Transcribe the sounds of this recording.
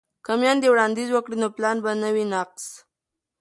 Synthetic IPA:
kamjɑnd̪ewɽɑnd̪izwəkɽinoplɑnbanəwinaqs

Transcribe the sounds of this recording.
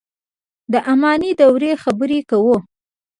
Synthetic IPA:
d̪əʔamɑnid̪awɾexabəɾekawo

